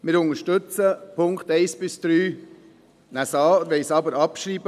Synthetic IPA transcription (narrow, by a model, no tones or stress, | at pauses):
mɪɾʊŋəɾʃtɵt͡səpʰʊŋkt̪ɛɪsb̥ɪsd̪̥ɾyː | næsɑːɾʋɛɪsɑbəɾɑpʃɾiːbə